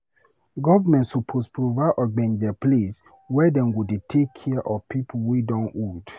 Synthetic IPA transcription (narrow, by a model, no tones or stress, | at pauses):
ɡɔvəmɛ̃ntsɔpʰospɹovaɪʔɔɡ͡bɛ̃ndɛples | wɛdɛ̃nwudetʰekʰːɛʔɔpipʰuwidɔ̃nwud